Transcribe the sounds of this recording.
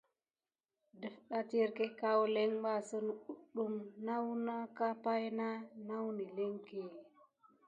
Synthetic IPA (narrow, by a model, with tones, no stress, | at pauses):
də˨fɗa˦ti˦ɾke˦ka˦wle˦ŋɓa˦˨sə˦nu˨u˦ɗu˦mna˦wna˦ka˦pa˦jna˦na˦wni˨le˦ŋke˨